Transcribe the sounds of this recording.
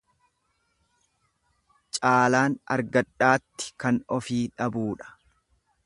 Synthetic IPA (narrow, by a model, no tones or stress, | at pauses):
t͡ʃʼaːlaːnɐ̰ɾɡɐᶑːaːt̪ːɪ̥kɐnɔfiːᶑɐbuːᶑɐ̥